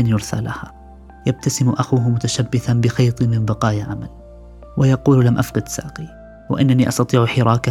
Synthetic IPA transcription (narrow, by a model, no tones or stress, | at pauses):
anjʊɾθa̰lʔaha | jab̚t̪asɪmʔaxuːɦmʊt̪aʃabːɪθanbɪxɑjt̪ˤɨmɪmbɑqɑːjaʕamal | wajɑquːllamʔafqɑd̪sa̰ːqi | wa̰ʔɪ̰nːaniːʔɑst̪ɑt̪ˤiːʕʊħɪɾˤɑːka